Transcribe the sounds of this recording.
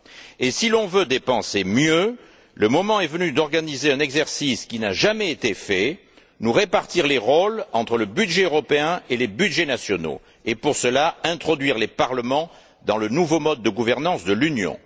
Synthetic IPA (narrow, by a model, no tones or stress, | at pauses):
esilɔ̃vød̪epɑ̃semjø | ləmɔmɑ̃ɛvənyd̪ɔʁɡanizeɛ̃nɛɡzɛʁsiskinaʒamɛet̪efɛ | nuʁepaʁt̪iʁleʁɔlɑ̃t̪χələbyd̪ʒeøʁɔpeɛ̃elebyd̪ʒenasjɔno̰ | epuʁsəlaɛ̃t̪χɔd̪ɥiʁlepaʁləmɑ̃ | d̪ɑ̃lənuvomɔd̪̚ːəɡuvɛʁnɑ̃sd̪əlynjɔ̰̃